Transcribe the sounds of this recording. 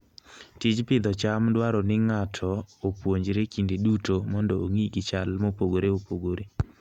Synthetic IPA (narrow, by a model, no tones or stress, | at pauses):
tit͡ʃpɪd̪ɔt͡ʃamdwaɾɔnɪŋatʰɔopwoɲd͡ʒɾekindedutomɔndɔoŋiɡɪt͡ʃalmopoɡoɾeopoɡoɾe